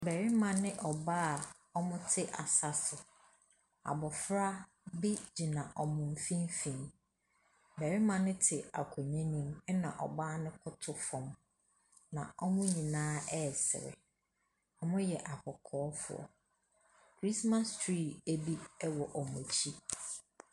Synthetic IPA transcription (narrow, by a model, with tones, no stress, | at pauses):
bɛ˨ɾɪ˦mã˨nɪ̃˦ʔɔ˨baː˦a˨ | ɔ˦mʊ̃˦tʰɪ˦ʔa˨sa˨sʊ˨ | a̰˨bɔ˨fɾa˦ | bi˦d͡ʑi˨nã˨ʔɔ˨mʊ̃˨m˨fĩ˦m˦fĩ˨m | bɛ˨ɾɪ˦mã˨nɪ̃˦tʰɪ˨a̰˨kʰɔ˨ɲɛ̃˦nĩ˦mɛ˦nã̰˨ʔɔ̰˨baː˦nɪ̃˦kʰʊ˦tʰʊ˦fɔ̃˨m | nã̰˨ɔ˦mʊ̃˦ɲĩ˨nãː˦ɛ˦˨sɪ̰˨ɾɪ̰˨ | ɔ˦mʊ̃˦jɛ˨ʔa˨kʰɔ˨kʰɔː˨˦fʊ̰˨ɔ̰˨ | kʰɾi˦sma˦stʰɾiː˦˨æ˦bi˦ɛ˦wɔ˨ʔɔ˨mʊ̃˨t͡ɕʰi˦